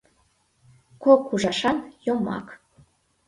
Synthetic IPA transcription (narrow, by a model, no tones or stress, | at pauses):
kokuʒɑʃɑnjomɑ̰k